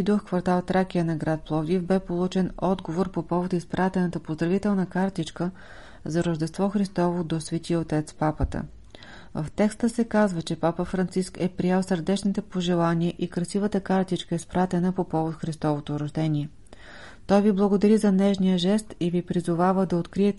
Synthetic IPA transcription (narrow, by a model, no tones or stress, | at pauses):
id̪oxkvɐɾt̪alˠt̪ɾakʲiənɐɡɾat̪̚plˠɔvd̪ifbɛpolˠut͡ʃɛnɔd̪ɡovoɾpopɔvot̪ispɾat̪ɛnət̪əpozd̪ɾɐvit̪ɛlˠnəkaɾt̪it͡ʃkə | zɐɾəʒd̪ɛst̪vɔxɾist̪ɔvod̪osvɛt̪ʲiəot̪ɛt̪spapət̪ə̰ | vəft̪ɛkst̪əsɛkazvət͡ʃɛpapəfɾɐnt̪siskɛpɾiɛlˠsəɾd̪ɛt͡ʃnit̪ɛpoʒɛlˠaniəʔikɾɐsivət̪əkaɾt̪it͡ʃkəispɾat̪ɛnəpopɔvot̪xɾist̪ɔvot̪oɾɐʒd̪ɛnʲiɛ | t̪ɔjviblˠəɡod̪ɐɾizɐnɛʃnijəʒɛst̪ivipɾizʊvavəd̪ɐot̪kɾiɛt̪